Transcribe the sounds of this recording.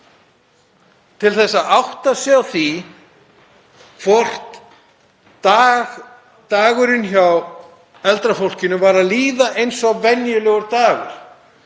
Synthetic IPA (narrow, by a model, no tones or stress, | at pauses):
t̪ʰɪlθɛsːaðawht̪asjawθi | fɔr̥t̪ | aɣ | t̪aːɣʏɾɪnçaw | ɛlt̪ɾafowl̥cɪnʏvaːɾaðliːðaʔejnsɔɣvɛnjʏlœɣʏɾt̪aːɣʏ̰ɾ̥